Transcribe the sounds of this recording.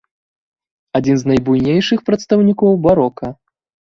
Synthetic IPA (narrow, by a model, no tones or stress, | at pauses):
ad͡zʲinznɐjbujnʲejʂɨxpɾɐt̪st̪ɐwnʲikɔwbaɾɔkɐ